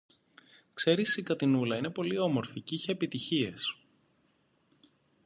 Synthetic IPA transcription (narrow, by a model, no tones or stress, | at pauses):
kse̞ɾisikɐt̪inulɐine̞po̞lio̞mo̞ɾficiçeːpit̪içie̞s